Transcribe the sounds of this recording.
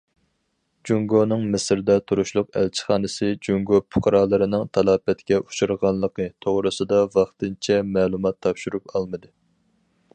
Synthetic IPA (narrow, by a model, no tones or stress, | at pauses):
d͡ʒuŋɡonɨŋmɪsɪɾd̪ɛt̪ʰuɾuʃlˠʊqæ̰lt͡ʃʰɪ̥χɑːnɨsɨd͡ʒuŋɡopʰʊ̥qʰɑɾɑːlˠɨɾɨnɨŋt̪ʰɑlˠɑːpɛt̪kʲɛʔu̥ʃuɾʁɑnlˠəqʰət̪ʰoʁɾɨsɨd̪ɑvɑχt̪ɨnt͡ʃʰɛmɛːlˠumɑt̪ʰːɑpʃuɾupɑlˠmɨd̪ɨ